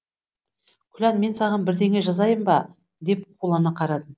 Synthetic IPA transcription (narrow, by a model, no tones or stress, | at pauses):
kʲʰʏlænme̞nsɑʁɑnbɪɾd̪e̞ŋʲeʒɑzɑjəmbɑ | d̪e̞p̚qʰulˠɑnəqʰɑɾɑd̪əm